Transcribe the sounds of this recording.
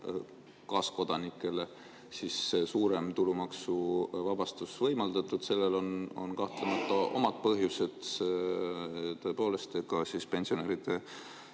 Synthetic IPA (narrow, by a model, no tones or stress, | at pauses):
kɑːsko̞d̪̥ɑnikːˑe̞le̞ | sissuːɾe̞mt̪ulumɑksuvɑbɑst̪usvɤ̞jmɑld̪ɑt̪ːˑud̪̥se̞lːe̞lo̞no̞̰nkɑht̪lemɑt̪ːˑɑʔo̞̰mɑd̪̥̚pɤɦjuse̞d̪̥ | t̪o̞e̞po̞ːle̞st̪ekɑsispe̞nsio̞neːɾid̪̥e